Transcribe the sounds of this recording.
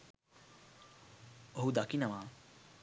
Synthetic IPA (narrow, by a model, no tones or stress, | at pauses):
oɦud̪akinamaː